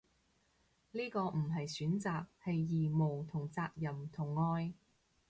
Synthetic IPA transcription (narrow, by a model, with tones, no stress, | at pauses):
liː˥kɔː˧m̩˨˩ɦɐ˨jsyː˨˥nt͡saː˨k̚hɐ˨jːiː˨˩mʊ˨˩ŋt̪ʰʊ˨˩ŋt͡saː˧k̚jɐ˨˩mt̪ʰʊ˨˩ŋːɔː˧j